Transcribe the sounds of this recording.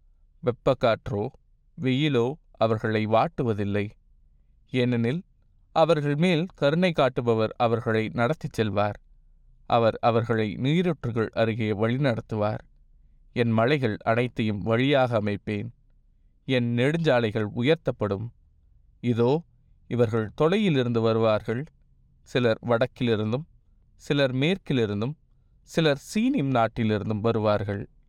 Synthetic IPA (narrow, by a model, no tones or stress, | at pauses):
ʋɛpːɐkːaːʈroː | ʋɛjɪloː | ɐʋɐɾɣɐɭɐɪʋaːʈːɯʋɐðɪlːɐɪ | ɛnːɐnɪl | ʔɐʋɐɾɣɐɭmeːlkɐɾɯnɐɪkːaːʈːɯbɐʋɐɾɐʋɐɾɣɐɭɐɪnɐɽɐt̪ːɪt͡ʃːɛlʋaːɾ | ʔɐ̰ʋɐɾɐʋɐɾɣɐɭɐɪniːɾʈrɯɣɐɭʔɐɾɯɣɪjɐʋɐɻɪnɐɽɐt̪ːɯʋaːɾ | ɛnmɐɻɐɪɣɐɭɐ̰ɽɐɪt̪ːɐjɯmʋɐɻɪjaːɣɐːmɐɪpːeːn | ɛnnɛɽɯɲd͡ʒaːlɐɪɣɐɭʊjɐɾt̪ɐpːɐɽɯm | ɪðoː | ɪʋɐɾɣɐɭt̪ɔlɐjɪlɪɾɯnd̪ɯʋɐɾɯʋaːɾɣɐɭ | sɪlɐɾʋɐɽɐkːɪlɪɾɯnd̪ɯm | sɪlɐɾmeːrkɪlɪɾɯnd̪ɯm | sɪlɐɾsiːnɪmnaːʈːɪlɪɾɯnd̪ɯmʋɐɾɯʋaːɾɣɐɭ